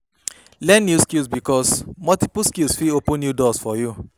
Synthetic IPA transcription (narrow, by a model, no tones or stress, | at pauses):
lɛ̃nːjuskilsbikɔsmɔltipuskilsfiopə̃nːjudɔsfɔju